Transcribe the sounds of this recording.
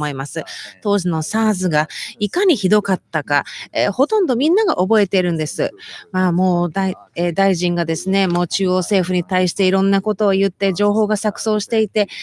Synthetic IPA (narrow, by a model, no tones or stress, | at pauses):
mo̞imasɨt̪o̞ːʑino̞saːzɨɡaikaɲ̟içid̪o̞kat̪ːaka̰eho̞t̪õ̞nd̪o̞mʲĩnːaɡaʔo̞bo̞e̞t̪e̞ɾɯ̟̃nd̪e̞sɨ̰maːmo̞ːd̪aied̪aiʑĩŋɡad̪e̞sɨne̞mo̞ːt͡ɕɨːo̞ːse̞ːɸɯ̟ɲ̟it̪aiɕi̥t̪e̞iɾõ̞nːako̞t̪o̞ːjɯ̟t̪ːe̞ʑd͡ʑo̞ːɦo̞ːɡasakɯ̟̥so̞ːɕi̥t̪e̞it̪e̞